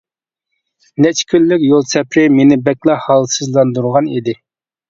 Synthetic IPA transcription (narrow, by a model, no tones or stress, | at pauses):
nɛt͡ʃʰkʲʰylːykʲjolˠsɛpɾɪmenɪbɛkʲlˠɑhɑlˠsɨzlˠɑnd̪uɾʁɑnid̪ɪ